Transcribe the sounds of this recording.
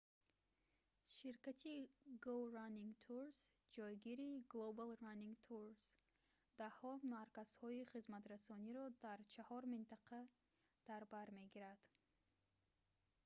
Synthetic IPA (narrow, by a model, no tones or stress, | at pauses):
ʃiɾkat̪ʰiɡoɾanːiŋɡt̪ʰuɾs | d͡ʒɔjɡiɾiɡlˠobalˠraniŋɡt̪ʰuɾs | d̪̥ahɔmaɾkaz̥hɔiχizmat̪ɾasɔniɾɔd̪aɾt͡ʃʰahɔɾmint̪ʰaqʰa | d̪̥aɾbaɾme̞ɡiɾad̪̥